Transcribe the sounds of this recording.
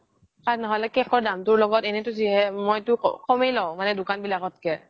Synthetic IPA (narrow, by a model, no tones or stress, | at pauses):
kanɔɦɔlɛkɛxɔɹdamtʊɹlɔɡɔtɛnɛtʊziɦɛmojtʊkɔmejlɔʊ̃manɛdʊkanbilaɡɔt̚kɛ